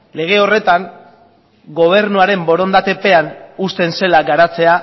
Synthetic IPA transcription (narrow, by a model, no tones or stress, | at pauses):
le̞ɣ̞e̞o̞re̞t̪aŋ | ɡo̞β̞e̞ɾnuaɾe̞mbo̞ɾo̞nd̪at̪e̞pe̞anust̪e̞nse̞laɡaɾat͡se̞a